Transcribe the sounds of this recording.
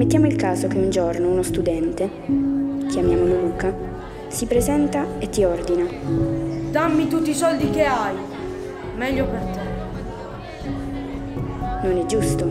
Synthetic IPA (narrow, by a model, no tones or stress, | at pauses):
met̪ːjaːmoilkaːzok̟eund͡ʒɔrnounost̪ud̪ɛnt̪e | k̟jamjaːmololuːka | sipɾezɛnt̪aet̪ːiɔrd̪ina | d̪amːit̪ut̪ːisɔld̪ikeaj | mɛʎːopent̪a | nonɛd͡ʒːust̪o